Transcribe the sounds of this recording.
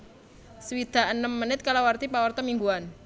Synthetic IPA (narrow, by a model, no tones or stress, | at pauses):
səwid̪̥a̤ənəmːənɪt̪̚kalawart̪ipawərt̪ɔmiŋɡuan